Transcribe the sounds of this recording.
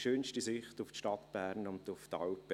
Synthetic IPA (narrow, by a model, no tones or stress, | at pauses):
ʃøːnʃtisɪχtʊftʃtɑt̪b̥æːɾnʊndʊftɑwpə